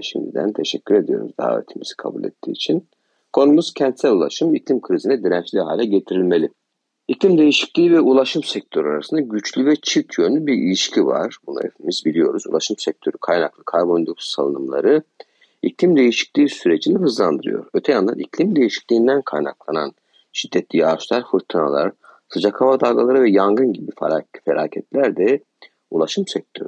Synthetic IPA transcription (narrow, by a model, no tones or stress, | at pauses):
ʃḭmd̪ḭd̪æ̰nt̪ʰeʃɛcʲʰːyɾe̞d̪ijo̞ɾṵzd̪a̰ːvḛt̪ʰimḭz̥i̥kʰa̰bṵlʲḛt̪ʰːḭːt͡ʃʰin | kʰo̞numuz̥cʰɛnt̪sælʲulˠa̰ʃɯmiclʲimkʰɯɾizinɛd̪iɾænt͡ʃlʲiɦa̰ːlʲɛɟe̞t̪ʰiɾilʲme̞lʲi | iclʲimd̪e̞jiʃi̥clʲiːivɛulˠaʃɯmsɛc̚t̪ʰøɾaɾasɯnd̪aɟyt͡ʃlʲyvɛt͡ʃʰicʰjønlʲybiɾḭlʲiʃcʰiva̰ɾ̥buna̰ḛfimizbilʲijo̞ɾuzṵlˠaʃɯmsɛc̚t̪ʰø̞ɾykʰajnaklˠɯkʰaɾbo̞nd̪opsalˠɯ̰nɯmlˠa̰ɾɯ | ḭclʲimd̪e̞jiʃi̥c̚lʲiːsyɾed͡ʒinɛɦɯzlˠand̪ɯɾɯ̰jo̰ɾøt̪ʰɛjand̪a̰nḭclʲimd̪e̞jiʃi̥clʲiːnd̪ænkʰajna̰klˠana̰n | ʃid̪ːɛt̪ʰlʲijaːʃlˠaɾfɯɾt̪ʰɯna̰lˠa̰ɾ̥ | sɯd͡ʒakʰhavad̪aɡalˠaɾɯvɛjaŋɡɯnɟibiffelʲa̰ːcʰɛt̪lʲæɾd̪ɛ | ulˠaʃɯmsɛc̚t̪ʰø̰ɾy